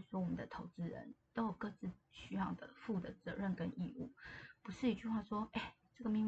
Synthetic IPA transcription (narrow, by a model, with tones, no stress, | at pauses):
swɔ˥wɔ˨mə˨nd̪ə̰˨˦t̪ʰo˧˥ʊt͡sɹ̩˥ɻə̰˧˦nt̪o˥jo˨˩ʊkɤ˥˧t͡sɹ̩˥˩ɕy˥jɑ˥˩ŋd̪ə̰˩fu˥˩d̪ə˩t͡sɤ˧˦ɻə˥˩nkə˥nḭ˥˧ṵ˥˩pu˧˥ʂɻ̩˥˩i˧˥t͡ɕy˥˧xwa˥˩ʂwɔ˥e˥˩ | ʈ͡ʂɤ˥˩ɡə˩mi˥ŋ